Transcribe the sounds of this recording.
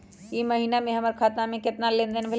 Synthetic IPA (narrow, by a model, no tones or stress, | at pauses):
imɐɦiːnamẽɦɐməɾkʰaːt̪namẽkɪt̪nalẽnd̪ənbʱɪl